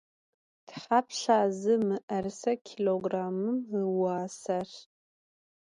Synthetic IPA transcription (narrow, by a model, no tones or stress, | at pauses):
d̥ħapʰʃaːzɨmɨʔɐrsɐkʲʰiloɡraːmɨmɨwaːsar